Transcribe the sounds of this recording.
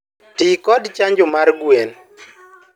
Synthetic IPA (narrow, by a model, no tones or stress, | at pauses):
tikɔdt͡ʃaɲd͡ʒʊmarɡwen